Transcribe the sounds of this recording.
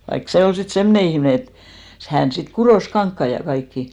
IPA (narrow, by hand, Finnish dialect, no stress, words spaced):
ʋɑik se ol sit semne ihmne et hæn sit kuroˑs kɑŋkːɑi jɑ kɑikːi